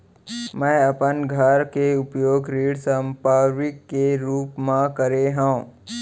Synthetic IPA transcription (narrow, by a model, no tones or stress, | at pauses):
mɛ̃ːɐpənɡʱəɾkeʊpjoːɡɾiːɽsə̃mpaːʋɪkːeɾuːpmãkəɾeɦũː